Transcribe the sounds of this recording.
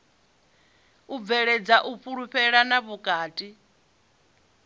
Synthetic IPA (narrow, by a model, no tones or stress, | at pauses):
uvɛɺɛd͡zaʔuɸuɺuɸɛɺanaβukʼaːtʼi